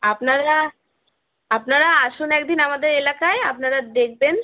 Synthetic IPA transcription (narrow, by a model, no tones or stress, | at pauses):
apnaɾa | apnaɾaaʃunɛkd̪inamad̪eɾelakaeapnaɾad̪ek̚ʰben